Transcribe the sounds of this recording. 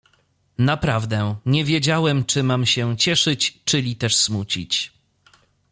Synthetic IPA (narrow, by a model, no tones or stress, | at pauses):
napɾavd̪ɛɲɛvʲjed͡ʑawɛmt͡ʂɘmamɕɛt͡ɕɛʂɘt͡ɕt͡ʂɘlʲit̪ɛʂsmut͡ɕḭt͡ɕ